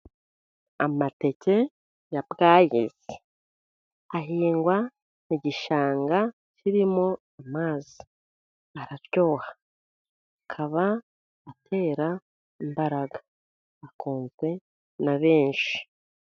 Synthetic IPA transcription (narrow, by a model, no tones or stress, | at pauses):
amate̞ce̞ | jabɡaːjḭze | aɦiːŋɡwa | niɟiʃaːŋɡa | ciɾimo̞ | amaːzi̥ | aɾaɾjo̞ːhḁ | akʰaβaː | tʰe̞ːɾa | imbaɾaɡa | akuːnzwe̞ | naβe̞ːnʃi̥